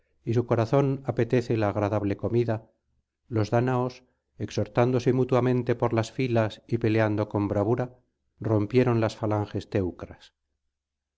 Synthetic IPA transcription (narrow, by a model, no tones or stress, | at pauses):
is̬uko̞ɾaθo̞nape̞t̪e̞θe̞laːɣɾaðaβle̞ko̞miða | lo̞zðanaos | e̞kso̞ɾt̪and̪o̞se̞mut̪wamẽ̞nt̪e̞po̞ɾlasfilasipe̞leand̪o̞ko̞mbɾaβuɾa | ro̞mpje̞ɾo̞nlasfalaŋxe̞st̪e̞wkɾas